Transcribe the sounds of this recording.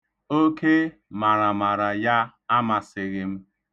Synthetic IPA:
o˦ke˦ | ma˨ɾa˨ma˨ɾa˨ja˦ | a˦ma˨sɪ˨ɣɪ˨m̩˦

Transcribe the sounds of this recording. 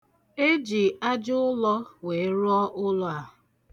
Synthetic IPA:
e˦d͡ʒi˨a˦d͡ʒʊ˦lɔ˦we˨˦ɾʊ˦ɔ˦ʔʊ˦lʊ˦a˨ɦʊ˨

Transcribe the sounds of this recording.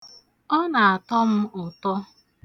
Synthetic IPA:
ɔ˦na˨a˨tɔ˦m̩˦ʊ˨tɔ˦

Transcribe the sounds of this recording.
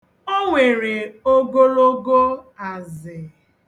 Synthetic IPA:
o˦ŋʷe˨ɾe˨o˦ɡo˦lo˦ɡo˦a˨zɪ˨

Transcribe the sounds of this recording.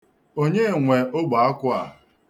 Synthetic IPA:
o˦ɲe˦˨ŋʷe˨ʔo˦ɡ͡ba˨a˦kʷʊ˦a̰˨

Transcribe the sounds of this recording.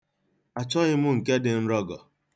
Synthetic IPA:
a˨t͡ʃɔ˦ɣɪ˦mʊ˦ŋ̩˨ke˦dɪ˨n̩˦ɾɔ˦ɡɔ˨

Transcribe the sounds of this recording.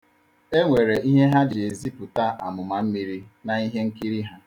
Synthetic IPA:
e˦ŋʷe˨ɾe˨i˦ɦe˦ɦa˦d͡ʒe˨zi˦pʊ˨ta˦ʔa̰˨mʊ˨ma˨m̩˦mi˦ɾi˦na˨i˦ɦe˦ŋ̩˦ki˦ɾi˦ɦa˦

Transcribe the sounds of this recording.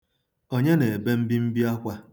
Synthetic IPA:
o˦ɲe˦ne˨e˨be˦m̩˦bi˦m̩˦bi˦a˦kʷa˦

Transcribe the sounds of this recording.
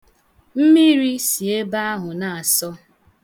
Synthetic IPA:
m̩˦mi˦ɾi˦si˨e˦ba˦a˦ɦʊ˨na˨a˨sɔ˦

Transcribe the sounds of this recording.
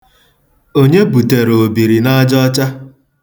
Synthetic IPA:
o˦ɲe˦bu˨te˨ɾo˨o˨bi˨ɾi˨na˦d͡ʒɔ˦t͡ʃa˦

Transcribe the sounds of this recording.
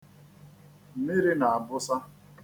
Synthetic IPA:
m̩˨mi˦ɾi˦na˨a˨bʊ˦sa˦

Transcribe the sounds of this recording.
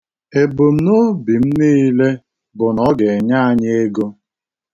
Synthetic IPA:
e˨bo˨m̩˦nʊ˦bi˨m̩˦niː˦le˦ | bʊ˨nɔ˦ɡe˨ɲa˦a˦ɲ˦e˦ɡo˦

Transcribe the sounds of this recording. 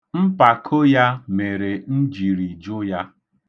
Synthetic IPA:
m̩˦pa˨kʰo˦ja˦me˨ɾe˨n̩˦d͡ʒi˨ɾi˨d͡ʒʊ˦ja˦

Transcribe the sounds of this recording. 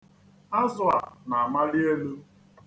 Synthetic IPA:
a˦zʊ˨a˨na˨a˨ma˦ɾɪ˦e˦lu˦

